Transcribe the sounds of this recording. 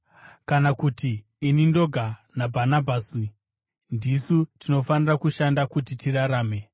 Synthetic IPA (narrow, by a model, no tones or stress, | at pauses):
kanakutiː | nindo̞ɡʱanabʱanabʱaːsi | ndisutino̞fanirakuʃandakutitiraɾaːme̞